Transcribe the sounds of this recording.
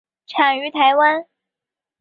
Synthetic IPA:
ʈ͡ʂʰa˨˩y˧˥t̪ʰa˧˥ɪwa˥n

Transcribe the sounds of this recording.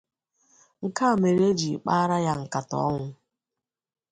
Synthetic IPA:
ŋ̩˨ka˦˨me˨ɾe˦d͡ʒi˨k͡pa˦ɾa˦ja˦ŋ̩˨ka˨tɔ̰˦ŋʷʊ˦

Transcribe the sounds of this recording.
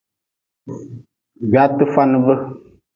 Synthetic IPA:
ɡa˨˦tɨ˦fa˦nɨ˦və˦

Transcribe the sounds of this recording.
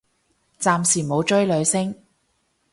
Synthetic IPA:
t͡saː˨˧msiː˨˩mo˨˧wt͡ʃɵ˥ɥlɵ˨˧ɥsɪ˥ŋ

